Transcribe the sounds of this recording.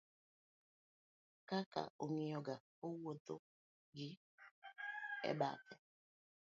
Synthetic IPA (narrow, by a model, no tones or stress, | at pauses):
kaka̰ʔoɲejɔɡa | owoto | ɡɪ | ɛ̰ba̰tɛ